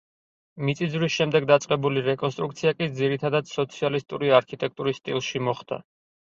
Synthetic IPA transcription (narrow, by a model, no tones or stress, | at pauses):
mit̪sʼid̪zvɾisʃɛmd̪ɛɡ̚d̪at̪sʼqʼɛbuliɾɛkʼɔnst̪ʼɾuk̚t̪sʰiakʼid̪ziɾit̪ʰad̪ad̪sɔt̪sʰialist̪ʼuɾiaɾkʰit̪ʼɛk̚ʰt̪ʼuɾisːt̪ʼḭlˠʃimɔχd̪̥a̰